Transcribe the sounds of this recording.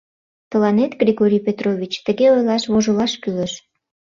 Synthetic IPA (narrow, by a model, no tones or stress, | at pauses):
t̪əlɑnet̪ɡrʲiɣoɾʲijpet̪rovʲit͡ɕt̪əɣeojlɑʃβoʒəlɑʃkyləʃ